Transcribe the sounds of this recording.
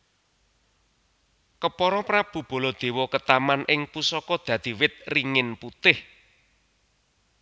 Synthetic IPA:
kəpɔɾɔpɾab̥ṳb̥o̤lɔd̪̥e̤wɔkət̪amanʔɪŋpusɔkɔd̪̥ä̤d̪̥i̤wɪt̪̚riŋɪnput̪ɪh

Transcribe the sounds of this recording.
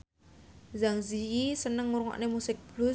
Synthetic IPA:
zaŋzijisənəŋːuɾuŋɔ̰ʔnemusɪk̚b̥lu

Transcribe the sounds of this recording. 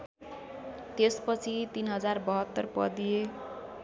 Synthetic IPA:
t̪espʌt͡sʰit̪inɦʌd͡zarbʌɦʌt̪ːʌrpʌ̰d̪ije

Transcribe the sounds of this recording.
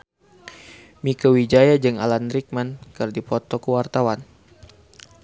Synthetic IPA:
mikəwid͡ʒajad͡ʒɨŋa̰lanɾik̚mankɨrdipɔt̪ɔkəwart̪awan

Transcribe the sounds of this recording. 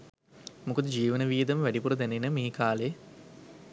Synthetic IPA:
mukod̪əd͡ʒiːʋənəʋiːd̪əməʋæɖipuɾəd̪ænenəmiːkaːle

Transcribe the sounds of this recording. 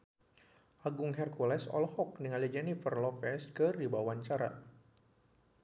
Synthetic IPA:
ʔaɡʊŋɦɛrkulɛsɔ̰lɔhɔk̚niŋalid͡ʒɛnifərlɔfɛskɨrdibawaɲt͡ʃaɾa̰

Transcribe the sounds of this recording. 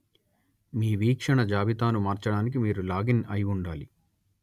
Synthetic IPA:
miːʋiːkʂɐɳɐd͡ʒaːʋit̪aːnumaːɾt͡ʃɐɽaːnik̬imiːɾulaːɡinɐjuɳɖaːli

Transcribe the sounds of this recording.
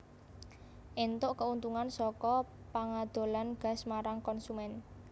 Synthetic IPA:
ʔent̪ʊʔkəunt̪uŋansɔkɔ | paŋad̪̥o̤lanɡ̥a̤smaɾaŋkɔnsumɛn

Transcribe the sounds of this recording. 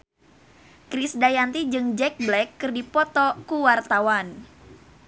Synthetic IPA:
kɾisdajant̪id͡ʒɨŋd͡ʒɛk̚blɛkːɨrdipɔt̪ɔkuwart̪awan

